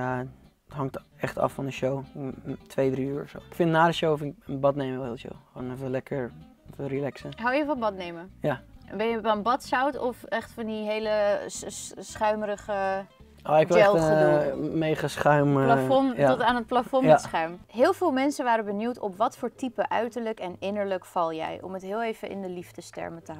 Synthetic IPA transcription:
ja | ətɦɑŋktɛχtɑ̰fːɑndəʃowtʋejdriyːɹɔfso̰wɪkfɪntnaːdəʃowfɪnɪkənbɑtnejməʋɛhɪːlˠʃo̰wχʋoːnɛfəlɛkʰəɹ | ɛtərilɛksəɦawjəfɑnbɑtnejməjabɛnjəbanbɑtsawtɔfɛχtfɑndiɦejlə | sχœɥməɾəχə | oɪkʋɛlˠ | mejχasχœɥmlafɔnaɔtaːnət̚plafɔnsχœɥmɦɪːlˠvɪːlˠmɛnsənʋaːɾəbənjutɔpʋɑtfoːɹtipəʔœɥtəɹləkɛnɪnəɹləkfɑlˠjɛ̰jʔɔ̰mətɦɪːlˠejvəʔɪ̰ndəlivdəstɛ̰ɹmətəɦ

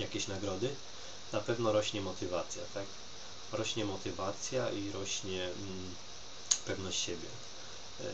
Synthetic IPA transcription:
jakʲeɕnaɡɾɔd̪ɘ | napɛvnɔɾɔɕɲɛmɔt̪ɘvat̪sʲja̰t̪ak | ɾɔɕɲɛmɔt̪ɘvat̪sʲjaʔiɾɔɕɲɛ | pɛvnɔɕt͡ɕɕɛbʲjɛ

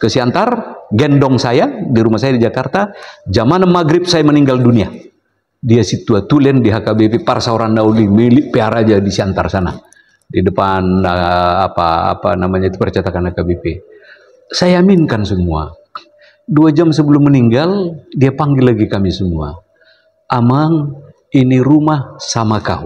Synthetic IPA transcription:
kəsiant̪arɡɛndɔŋsajadiɾumasajadid͡ʒakart̪ad͡ʒamanəmːaɡɾip̚sajaməniŋɡaldunia | diasit̪uat̪ulɛndiɦakabɛpɛparsaoɾandaulimiliʔpɛaɾad͡ʒadisiant̪arsana̰ | didəpanaapaa̰pa̰namaɲat̪upərt͡ʃat̪akanhakabɛpɛ | sajaaminkansəmua̰ | duad͡ʒamsəbəlumːəniŋɡaldiapaŋɡilaɡikamisəmua̰ | amaŋ | iniɾumahsamaka̰ṵ

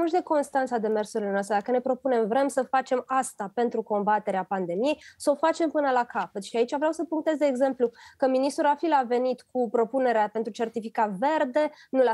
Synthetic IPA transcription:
uʃd̪e̞ko̞nst̪ant̪sad̪e̞mersuɾilenoast̪ɾed̪akəne̞pɾo̞pune̞mvɾe̞msəfat͡ʃe̞mast̪ape̞nt̪ɾuko̞mbat̪e̞ɾeapand̪e̞mije̞jsəo̞fat͡ʃe̞mpɨnəlakapət̪ʃiait͡ʃavɾeawsəpuŋk̚t̪e̞zd̪e̞ːɡze̞mplukəminist̪uɾafilave̞nit̪kupɾo̞pune̞ɾeape̞nt̪ɾut͡ʃe̞rt̪ifikat̪ve̞rd̪e̞nul

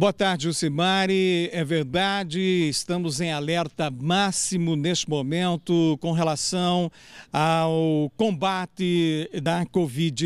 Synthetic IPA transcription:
boɐt̪aɾd͡ʒɪʊsemaɾɪɛveɾd̪ad͡ʒɪːst̪ɐ̃mʊzẽj̃alɛɾt̪ɐmasimʊnest͡ʃɪmomẽnt̪ʊkõɦelasɐ̃w̃ | awkõbat̪ɪd̪ɐkovid͡ʒɪ

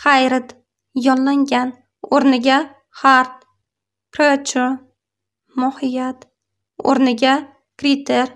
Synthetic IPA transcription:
χajɾɪt̪ | jɒnlaŋɡʲan | oɾnɪɡʲa | χaɾt̪̚ | kɾeat͡ʃʰʊ | mɒhɪjat̪ | o̰ɾnɪɡʲa | kɾit̪ʰeɾ

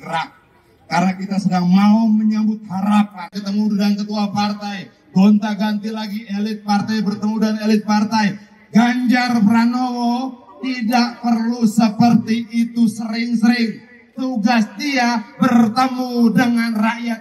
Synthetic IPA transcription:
əɾak̚ | karnakit̪asədaŋmauməɲambʊt̪̚haɾap̚ankət̪əmudankət̪uapart̪aj | ɡont̪aɡant̪ilaɡielɪt̪̚part̪ajbərt̪əmudanelɪt̪̚part̪aj | ɡaɲd͡ʒarpɾanoot̪idak̚pərlusəpərt̪iːt̪usəɾɪŋsəɾɪŋ | t̪uɡasdiabərt̪əmudəŋanraʔjat̪̚

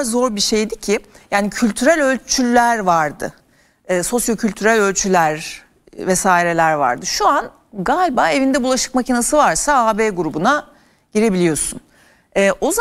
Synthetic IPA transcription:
zo̞ɾbiʃe̞jd̪icʰɪjaːnicʰylʲt̪ʰyɾælʲø̞lʲt͡ʃʰylʲːæɾvaɾd̪ɯ̰ | ɛːso̞sjo̞cʰylʲt̪ʰyɾælʲø̞lʲt͡ʃʰylʲæɾ | vɛsaːiɾe̞lʲæɾva̰ɾd̪ɯʃuan | ɡalʲbaːe̞vind̪ɛbulˠaʃɯ̥kmacʰinasɯvaɾsaaːbeːɡuɾubuna | ɟ̥iɾe̞bilʲijo̞sun | ɛːʔo̞z

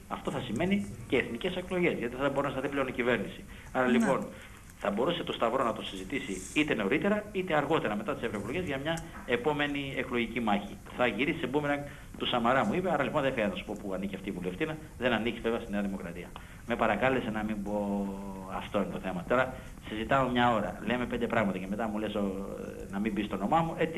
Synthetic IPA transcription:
ɐft̪o̞θɐsime̞niceːθnice̞se̞klo̞ʝe̞zʝɐt̪iθɐðɐbo̞ɾunɐsɐðiple̞onicive̞ɾnisi | ɐɾɐlipo̞n | θɐbo̞ɾuse̞t̪ost̪ɐvɾo̞nɐt̪o̞sizit̪isiit̪e̞no̞ɾit̪e̞ɾɐit̪e̞ɐɾɣo̞t̪e̞ɾɐme̞t̪ɐt̪isevɾo̞eklo̞ʝe̞zʝɐmɲɐ | e̞po̞me̞nie̞klo̞ʝicimɐçi | θɐʝiɾisi̥sebumenɐn | t̪usɐmɐɾɐmuipe̞ɐɾɐlipo̞nðefeɐnɐsu̥po̞puɐniciɐft̪iːvule̞ft̪inɐ | ðe̞nɐnicizveveɐst̪ineɐðimo̞kɾɐt̪iɐ | me̞pɐɾɐkɐle̞se̞nɐmimbo̞ɐft̪o̞inet̪oθe̞mɐt̪o̞ɾɐ | sizit̪ɐomɲɐo̞ɾɐ̰le̞me̞pnd̪e̞pɾɐɣmɐt̪ɐce̞me̞t̪ɐmule̞so | nɐmimbist̪o̞no̞mɐmue̞t͡si

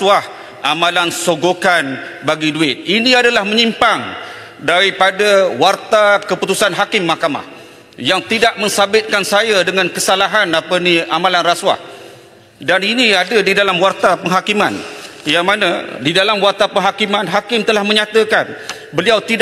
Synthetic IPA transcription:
ah | ʔamãlansoɡokan | baɡiduɪt̪̚inĩadalahmə̃ɲimpaŋ | daɾipadawart̪akəput̪usanɦakɪmːahkama̰h | jaŋt̪idaʔ̚mə̃nsabɪt̪̚kansajadəŋãnkəsalaɦanapəniamãlanraswa̰h | daniniadadidalamwart̪apəŋɦakima̰njaŋmanadidalamwart̪apəŋɦakimãnɦakɪmt̪əlahmə̃ɲãt̪əkan | bəliawt̪id

